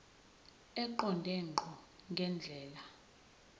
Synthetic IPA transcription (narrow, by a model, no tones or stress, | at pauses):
ɛǃɔndʱɛŋ͡ǃŋ͡ǃʱɔŋɡʱɛnd͡ɮʱɛːla